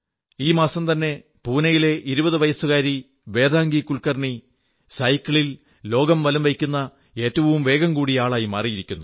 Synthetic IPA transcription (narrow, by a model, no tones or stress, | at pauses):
iːmaːsɐmt̪ɐnːe̞ | puːnɐjile̞ʔiɾubɐðɨʋɐjɐsuɣaːɾi | ʋe̞ːd̪aːŋɡikuɭkɐrɳi | sɐjkʲːɐɭil | lo̞ːɡɐmʋɐlɐmʋɐjkʲːunːɐ | e̞ːtːɐʋɐʋumʋe̞ːɡɐmkuːɽijaːɭaːjima̰ːrijiɾikʲːunːu